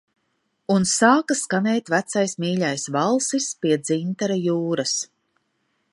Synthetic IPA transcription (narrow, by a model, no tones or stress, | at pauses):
unsaːkaskanɛjt̪væt̪sajsmiːʎajsvalˠsispiɛd̪zint̪aɾajuːɾas